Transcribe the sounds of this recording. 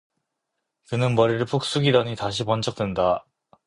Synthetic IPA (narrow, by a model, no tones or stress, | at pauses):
kɯnɯnmʌɾiɾɯɭpʰuk̚s͈uɡidaɲitaɕʰipʌnt͡ɕ͈ʰʌk̚t͈wenda